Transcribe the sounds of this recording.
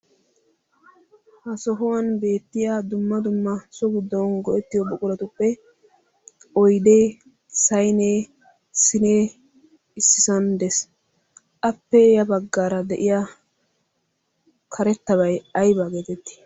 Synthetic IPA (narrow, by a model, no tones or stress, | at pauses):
hɐsɔɦɔwɐnbe̞ːt̪ːɪjad̪ʊmːɐd̪ʊmːɐsɔɡʊd̪ːɔnɡɔʔɛt̪ːɪjɔbɔkʼʊlɐt̪ʊpːɛ | ɔjd̪e | sɐjneː | sɪneː | ɪsːɪsɐnd̪ɛs | ʔɐpːɛjɐbɐɡːaːɾɐd̪ɛʔɪja | kʰɐɾɛt̪ːɐβɐjɐjbaːɡeːt̪ɛt̪ːi̥